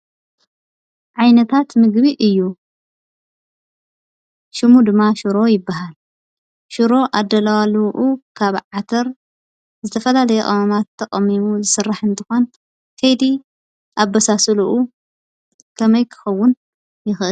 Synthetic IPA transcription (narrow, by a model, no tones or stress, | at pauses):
ʕajnɐt̪ʰat̪mɨɡbiʔɨjːu | ʃɨmud̪ɨmːaʃuɾo̞jɪbːaɦal | ʃuɾo̞ʔad̪ːɐlawaluʔukʰaβʕat̪ʰɐɾ | zɨt̪ʰɐfɐlalɐjɛkʼɐβɐmat̪ʰːɐkʼɐmːimuzɨsɨrːaħɨnt̪ʰɨxon | kʰɐjd̪i | ʔabːɐsasɨluʔu | kʰɐmɐjkʰɨ̥xɐwːʊn | jɪxʔɨl